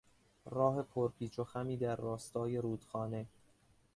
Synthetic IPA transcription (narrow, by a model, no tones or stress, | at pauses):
rɒːɦe̞pʰoɾpʰiːt͡ʃʰoxæmiːd̪æɾːɒːst̪ɒːje̞ɾuːd̪̥xɒːne̞